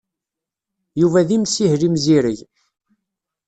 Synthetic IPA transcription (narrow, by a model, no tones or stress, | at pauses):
juvæðimsihlimziɾəʝ